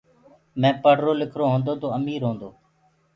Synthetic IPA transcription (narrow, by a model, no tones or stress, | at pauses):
mɛ̃ːpəɽ̤ɾoːlɪkʰɾoːɦõːnd̪oːt̪oːəmiːɾɦõːnd̪oː